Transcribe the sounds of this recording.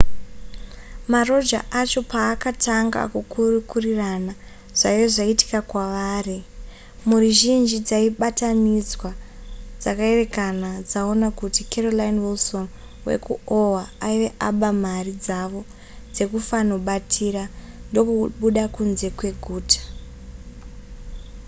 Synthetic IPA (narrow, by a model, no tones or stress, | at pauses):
maro̞d͡ʒa̰ʔat͡ʃo̞paːkataŋɡa̰kukurukurirana | ʐ̥aijoʐaiti̥kakwaʋaːri | muɾuʒind͡ʒid͡zaiɓatanid͡zwad͡zakae̞re̞kanad͡zao̞nakutikʰerolainwilso̞n | we̞̰kuowaaiʋe̞ʔaɓamarid͡zaʋo̞ | d͡ze̞kufano̞ɓatʰiɾa | ndo̞kuɓuɗakunze̞kwe̞ɡʱuːtḁ